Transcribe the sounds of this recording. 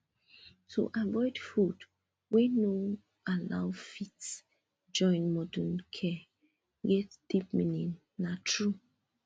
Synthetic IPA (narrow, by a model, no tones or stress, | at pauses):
tʰṵʔavɔɪdfud | weno | ala̰ʊfits | d͡ʒɔ̃ɪ̃nmɔdũnkʰɛ | ɡɛtd̥ip̚minĩnː | atʰɹu